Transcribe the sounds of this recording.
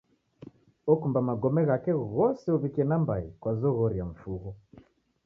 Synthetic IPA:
ɔkumbamaɡɔmɛɣakɛɣɔsɛɔβikiɛnambaikwazɔɣɔɾiaɱ̩fuɣɔ

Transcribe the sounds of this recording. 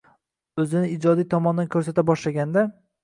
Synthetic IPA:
ɵzɪnɪɪd͡ʒɒd̪ijt̪ʰɒmɒnd̪ankʰɵɾsat̪abɒʃlaɡʲand̪a

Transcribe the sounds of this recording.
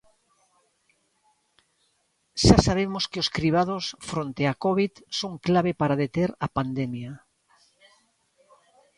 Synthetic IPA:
ʃasaβ̞emoskeoskɾiβ̞að̞osfɾont̪eakoβiðsoŋklaβepaɾaðet̪eɾapand̪emja

